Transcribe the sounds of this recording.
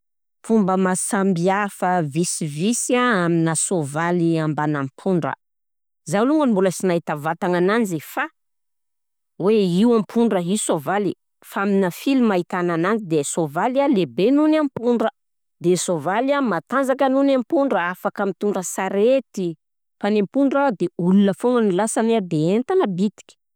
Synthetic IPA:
fumbəmasambiafəvisivisaaminasovaliambanampʰuɳɖ͡ʐə̰ | zaluŋɡənimbuləsinaɦit̪avat̪aŋanand͡ʒifa | weiwampʰuɳɖ͡ʐəɦisovali | faaminəfilimaɦit̪ananand͡ʒid̪esovalalebenunampuɳɖ͡ʐə | d̪esovalamat̪and͡zakənunampuɳɖ͡ʐəafakəmit̪uɳɖ͡ʐəsaɾet̪i | panempuɳɖ͡ʐad̪eulunəfoŋanilasaneɾd̪eent̪anəbit̪i̥kʲi̥

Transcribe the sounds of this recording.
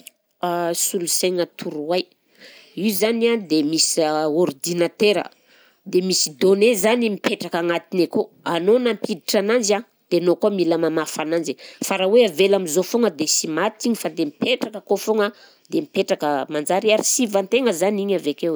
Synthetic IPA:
asuluseŋat̪ʰuɾuwaj | iwzaniad̪emisord̪inat̪eɾə̰ | d̪emisid̪onezanimipeʈ͡ʂakaŋat̪ineko | anonampid̪iʈ͡ʂanand͡ʒa | d̪̥enokomiləmamafanand͡ʒifaɾaweavelamizofoŋəd̪esimat̪iɲifad̪emipeʈ͡ʂakəkofoŋə | d̪̥emipeʈ͡ʂakəmand͡ʒaɾiaɾisivant̪eŋəzaniɲavekew

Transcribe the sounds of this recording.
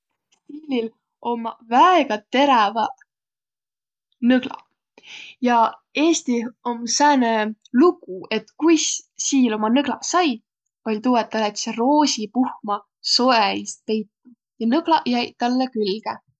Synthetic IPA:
st̪ilʲil | ʔo̞mvæeɡ̥ɑt̪e̞ɾevɑ | nɤɡ̥lɑ̰ | jɑe̞ːst̪iomsæːneluɡ̥ue̞t̪kujssiːlo̞mɑnɤɡ̥lɑsɑj | pɑlʲt̪uwet̪ːɑlɑt̪sero̞ːsipuhmɑ | so̞eist̪̚pe̞jt̪ːu | jɑnɤɡ̥lɑjæjt̪ɑlːekylɡ̥e

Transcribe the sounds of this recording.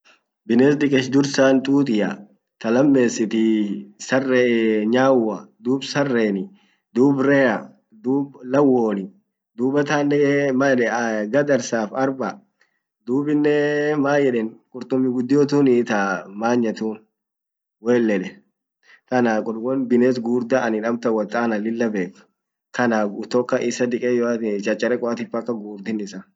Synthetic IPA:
bɪneːsd̪ɪkʼɛʃd̪ʊɾsaːnt̪ʼuːt̪ʼɪjɐ | t̪ɐlɐmːe̞ːsːɪt̪ɪsɐrːɛɲaːwːɐd̪uːbsɐrːeːnɪ | d̪uːbɾɛːɐ | d̪uːblɐwːoːnɪ | d̪uːbɐt̪aːnɛmɐɛɡɐd̪ɐɾsaːfɐɾbɐ | d̪uːbɪnːɛmaːjɛᶑɛnkʼʊɾt̪ʊmːɪɡʊd̪ːɪjoːt̪̬uːnɪt̪amaːɲːɐt̪uːn | weːlːɛᶑɛ | kɐnaːkʼʊlwɔnbɪneːs̬ɡuːɾd̪ɐɐnɪᶑɐmt̪ɐwɐt̪ʼaːnɐlɪlːɐbe̞ːkːʊ̥ | kɐnaːt̪ɔkːɐʔɪsɐd̪ɪkʼejɔt͡ʃʼɐt͡ʃʼːɐɾɛkʼɔat̪ɪfɐkːɐɡuːɾd̪ɪnːɪsɐ

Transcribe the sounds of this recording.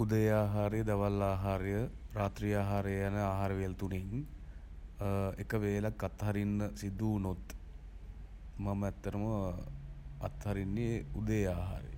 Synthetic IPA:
ud̪əjaːɦaːɾejəd̪aʋalːaːɦaːɾejəɾaːt̪ɾijaːɦaːɾejəjanəaːɦaːɾəʋelt̪uneŋ | ekəʋeːlakːat̪ɦaɾinːəsid̪uːnot̪ | maməɛt̪ːəɾəmə | at̪ɦaɾinːeud̪əjaːɦa̰ːɾḛ

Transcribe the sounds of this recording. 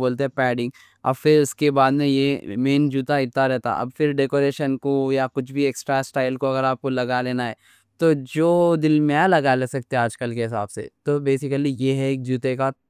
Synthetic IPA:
boːlt̪eɦɛ̃pɛːɖɪ̃ŋɡ | ɐ̰bfɪɾʊskebaːd̪mẽjemeːnd͡ʒuːt̪aɪɾt̪aɾɛɦt̪a̰ʔɐ̰bfɪɾɖeːkoːɾeːʃənkojakʊt͡ʃʰbʱieːksʈɾasʈaːɪlkoɐɡəɾaːp̚kolɐɡaleːnaɦɛː | t̪od͡ʒoːd̪ɪlmeãlɐɡalesɐk̚t̪ẽaːd͡ʒkəlkeɦɪsa̰ːbsḛt̪oːbeːsɪkəlijeɦɛeːk̚d͡ʒuːt̪eka

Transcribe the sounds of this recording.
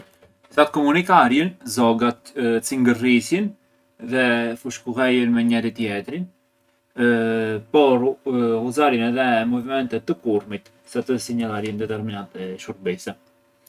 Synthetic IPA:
zat̪̚kɔmunikaɾjənzɔɡat̪siŋɡərisjin | ðɛfuʃkuɣɛjənmɛɲɛɾit̪jɛt̪ɾin | pɔɾuzaɾənɛðɛmɔvimɛnt̪ɛt̪ːəkuɾmit̪ | sat̪əsiɲalˠaɾjənd̪ɛt̪ɛɾminant̪ɛʃuɾ̚bisɛ

